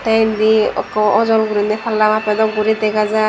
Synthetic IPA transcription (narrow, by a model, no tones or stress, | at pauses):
t̪ajndiɔkɔʔɔzɔlɡuɾinɛpʰalːamapɛd̪ɔɡuɾid̪ɛɡaza